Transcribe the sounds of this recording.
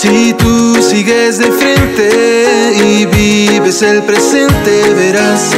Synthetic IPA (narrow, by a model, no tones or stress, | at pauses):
sit̪usiɣezðefɾent̪eiβiβeselpɾesent̪eβeɾas